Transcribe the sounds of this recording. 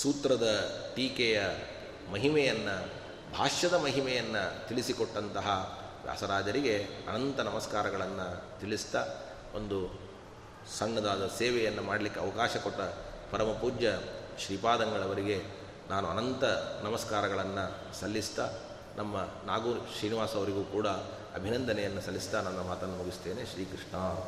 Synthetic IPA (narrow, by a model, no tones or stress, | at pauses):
suːt̪ɾɐd̪ɐʈiːkɛjɐ | mɐɦimɛjɐnːɐ | bʱaːʂɐd̪ɐmɐɦimɛjɐnːɐt̪iɭisikoʈːɐnt̪ɐɦɐ | ʋja̰ːsɐɾaːd͡ʒɐɾiɡe̞ɐ̰nɐnt̪ɐnɐmɐskaːɾɐɡɐɭɐnːɐt̪ilist̪ɐ | ond̪u | sɐŋːɐd̪aːd̪ɐseːʋɛjɐnːɐmaːɽɐlikːeɐʋɐkaːʃɐkoʈːɐpɐɾɐmɐpuːd͡ʒjɐʃɾipaːd̪ɐŋɡɐɭɐʋɐɾiɡe̞ | naːnuɐnɐnt̪ɐnɐmɐskaːɾɐɡɐɭɐnːu | sɐlːist̪ɐ | nʔɐmːɐ | naːɡuːʃɾiːniʋaːsɐʋɐɾiɡuːkuːɽɐ | ɐ̰bʱinɐnd̪ɐnɛjɐnːusɐlːist̪ɐnɐnːɐmaːt̪ɐnːumuɡist̪e̞ːne̞ʃɾiːkɾiʂɳaː